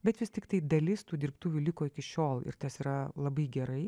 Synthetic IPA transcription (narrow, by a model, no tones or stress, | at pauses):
bʲɛt̪ʋʲɪst̪ʲɪkt̪ɐɪd̪ɐlʲɪst̪uːd̪ʲɪɾpt̪uːʋʲulʲɪkoːɪkʲɪʃʲoːlˠɪ̰ɾt̪ɐsiːɾɐlˠɐbɐɪɡʲɛɾɐɪ